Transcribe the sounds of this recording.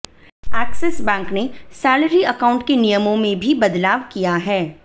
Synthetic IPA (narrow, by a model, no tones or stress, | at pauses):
ɛːksɛsbɛ̃ːŋknesɛːləɾiɐkaːʊ̃ɳʈkenijəmõmẽbʱibɐd̪laːʋkijaɦɛː